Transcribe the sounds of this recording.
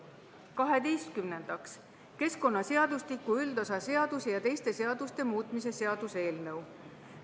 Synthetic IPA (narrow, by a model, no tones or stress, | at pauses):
kɑɦe̞d̪ejst̪̚kymne̞nd̪̥ɑks | ke̞sko̞nːɑse̞ɑd̪ust̪ikuyld̪̥osɑse̞ɑd̪usejɑt̪e̞jst̪e̞se̞ɑd̪̥ust̪e̞muːt̪ˑmis̬e̞se̞ɑd̪̥use̞ːlnɤw